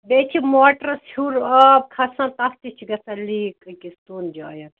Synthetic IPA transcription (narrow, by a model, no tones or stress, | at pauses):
bet͡ʃʰimoːʈɐɾɐshuɾɐb̚kʰɐsɐ̃t̪ɐst̪it͡ʃʰiɡɐsɐliːkkist̪uːnd͡ʒaːjɐt̪